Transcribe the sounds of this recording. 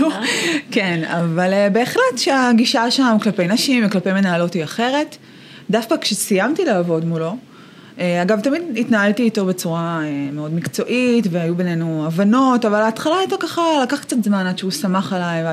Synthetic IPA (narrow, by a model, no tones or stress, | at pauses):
kenavalebe̞ːχletʃeaɡiʃaʃamklape̞jnaʃimveklapejme̞naːlo̞tiaχeʁe̞t | dafkakʃesijamtilaːvo̞dmulo̞ | eaɡavtamiditnaɦaltiːto̞be̞t͡suʁaemeo̞dmikt͡so̞ʔitveajube̞ne̞nuavano̞tavalaːtχalaitakaχalakaχkt͡satzmanadʃeusamaχalajv